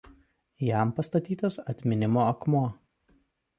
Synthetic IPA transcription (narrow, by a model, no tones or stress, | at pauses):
jæˑmpɐst̪ɐt̪ʲiːt̪ɐsɐt̪ʲmʲɪnʲɪmoːɐkmu